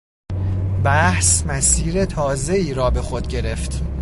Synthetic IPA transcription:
bæhsmæsiːɾet̪ʰɒːze̞iːɾɒːbe̞xo̞d̪ɟe̞ɾe̞ft̪

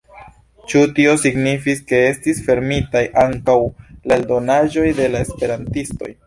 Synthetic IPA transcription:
t͡ʃutio̞siɡnifiske̞e̞stisfe̞ɾmitajʔaŋkawlaeldo̞naʒo̞jde̞laespe̞ɾantisto̞̰j

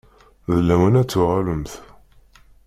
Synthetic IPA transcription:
ðəlːæmænæt͡sːuʁaləmθ

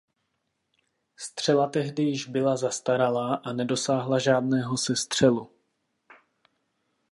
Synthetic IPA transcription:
st̪r̝̥ɛlat̪ɛɦdɪjɪʒbɪlazast̪aɾalaʔanɛdo̞saːɦlaʒaːdnɛːɦo̞sɛst̪r̝̥ɛlu

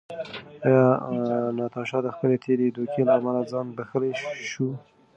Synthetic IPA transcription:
ɑjɑnɑt̪ɑʃɑd̪əxpəlet̪ʰeɾed̪okʰelaːmalad͡zɑnbaxəleʃu

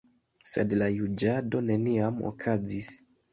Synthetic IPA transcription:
sḛdlajud͡ʒado̞ne̞niamo̰kʰazis

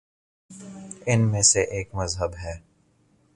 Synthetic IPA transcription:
ɪnmẽseʔeːkmɐzɦəbɦɛː

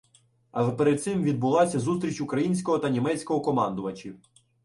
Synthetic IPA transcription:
ɐʒɛpeɾed̪̚t̪sɪmʋʲid̪̚bʊlˠɑsʲɐzust̪ɾʲit͡ʃʊkɾɐjinʲsʲkɔɦɔt̪ɐnʲimɛt͡sʲkɔɦɔkɔmɑnd̪ʊʋɐt͡ʃiw

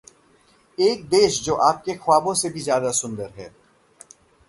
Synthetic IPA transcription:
eːk̚d̪eːʃd͡ʒoːʔaːp̚kexʊaːbõsebʱizjaːd̪asʊ̃nd̪əɾɦɛ̰ː

